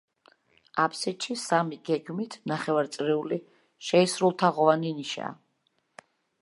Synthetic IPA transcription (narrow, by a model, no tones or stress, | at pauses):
apʰsɛʃisamiɡɛɡmit̪ʰnaχɛvaɾt̪sʼɾiuli | ʃɛisɾulˠt̪ʰaʁɔvaniniʃa̰